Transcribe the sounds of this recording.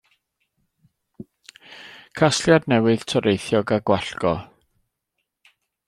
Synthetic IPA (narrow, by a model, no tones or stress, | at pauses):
kʰasljadnɛwɨð̥tʰɔɾʔejθjɔɡaɡwaɬɡ̥ɔ